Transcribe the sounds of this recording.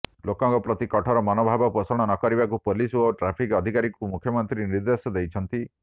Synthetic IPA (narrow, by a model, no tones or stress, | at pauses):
lokɔŋkɔpɾɔt̪ikɔʈʰɔɾɔmɔnobʱabɔpɔsɔɽ̃ɔnɔkɔɾibakupolisuoʈɾapʰikɔd̪ʱikaɾikumukʰjɔmɔnt̪ɾieniɾd̪esɔd̪ejt͡ʃʰɔnt̪i